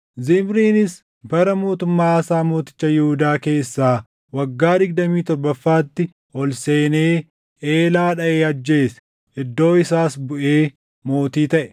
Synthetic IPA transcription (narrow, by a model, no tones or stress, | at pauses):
zɪmɾiːnɪs | bɐɾɐmo̞ːt̪ʊmːaːɐsaːmo̞ːt̪ɪ̥t͡ʃːɐjɪhuʊd̪aːke̞ːsːaː | wɐɡːaːd̪ɪɡ̚d̪ɐmiːt̪ɔɾbɐfːaːt̪ːɪ | ɔlse̞ːneː | eːlaːᶑɐʔeːɐd͡ʒːe̞ːsɛ̥ | ʔɪd̪ːo̞ːɪsaːsbʊʔe̞ː | mo̞ːt̪iːt̪ɐʔɛ̥